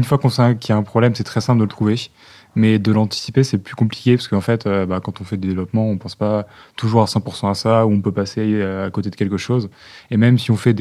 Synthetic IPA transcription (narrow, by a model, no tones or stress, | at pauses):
ynfwakɔ̃sãkʲiaɛ̃pχɔblɛmsɛt̪χɛsɛ̃pld̪ələt̪χuve | mɛd̪əlɑ̃t̪i̥sipesɛplykɔ̃pli̥kʲepasə̥kəɑ̃fɛt̪ʰøbakɑ̃t̪ɔ̃fɛd̪ed̪evlɔpmɑ̃ɔ̃pɑ̃spat̪uʒuʁasɑ̃puʁsɑ̃asauɔ̃pøpaseakot̪ed̪ə̥kʲɛlkəʃozemɛmsiɔ̃fɛd̪